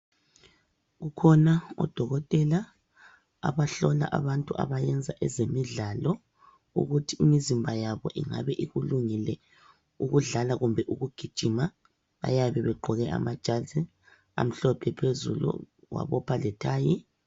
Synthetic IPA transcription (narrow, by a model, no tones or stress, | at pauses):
ɣukʰɔnaɔ̰d̥ʱɔɣɔtʼɛla | a̰βaɬɔla̰ʔaβantʼuʔa̰βajɛnd͡zʱaʔɛzemiɮalɔ | ṵɣutʰiimizimbʱajaβɔʔiŋa̰βɛʔiɣuluŋilɛ | uɣuɮalaɣumbʱɛʔuɣuɡ̥ʱid̥ʒ̥ʱima | βa̰jaβɛβɛɡ͡ǃʱɔɣɛʔa̰mad̥ʒ̥ʱazɛ | a̰m̩ɬɔpʰɛpʰezṵlṵ | wa̰βɔpʰalɛtʰaːji